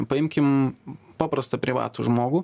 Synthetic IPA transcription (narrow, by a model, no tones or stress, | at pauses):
pɐɪmʲkʲɪmpɑːpɾɐst̪ɐpʲɾʲɪʋɑ̰ːt̪uʒmoːɡuː